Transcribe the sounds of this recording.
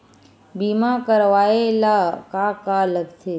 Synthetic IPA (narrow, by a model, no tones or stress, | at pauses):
bimakəɾʋaelakakaləɡt̪ʰe